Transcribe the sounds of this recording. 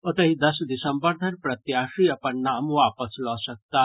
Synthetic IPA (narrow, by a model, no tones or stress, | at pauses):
ot̪ɐɦid̪ɐsd̪isəmbəɾd̪ʱənpɾɐt̪jaːʃiɐpɐnːaːmʋaːpəslɔsɐk̚t̪a